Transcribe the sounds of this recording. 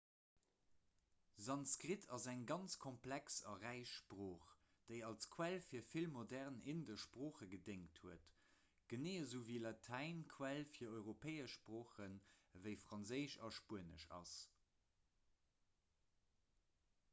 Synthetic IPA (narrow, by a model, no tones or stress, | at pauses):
zɑnskʁitʰɑzæŋɡɑnt͡skʰɔmpʰlæksɑ̰ʁæɪʃpʁoːχ | d̥eɪɑlskʰwælfiːɐfilmodæʁnendəʃpʁoːχəɡədeŋthuət | ɡ̥əneːəzəːviːlɑtʰæɪnkʰwælfiːɐɔʏʁopʰeɪəʃpʁoːχənvəɪfʁɑnzəɪʃɑ̰ʃpuənə̰ʃɑ̰s